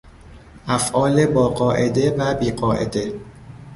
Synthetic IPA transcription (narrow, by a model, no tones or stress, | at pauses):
ʔæfʔɒːlebɒːɢɒːʔe̞d̪e̞væbiːɢɒːʔḛd̪e̞